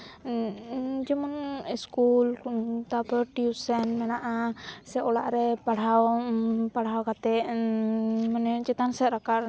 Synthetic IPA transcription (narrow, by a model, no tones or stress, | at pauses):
d͡ʒɛmɔniskult̪apəʈiusɛnmɛnaʔasɛɔla̰ʔɾɛpaɽɦawpaɽɦawkat̪ɛ | mənɛt͡ʃɛt̪ansɛʔɾakar